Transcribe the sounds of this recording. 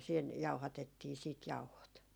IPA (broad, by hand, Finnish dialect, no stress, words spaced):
siːn jɑuhɑtetːiː siːt jɑuhot